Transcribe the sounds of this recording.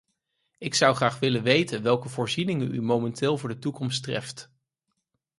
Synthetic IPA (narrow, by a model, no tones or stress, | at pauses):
ɪksʌwχraːχʋɪlənʋejtənʋɛlˠkəvʊːɹzinɪŋəy̰momɛntɪːlˠvʊːɹdətukɔmstrɛ̰ft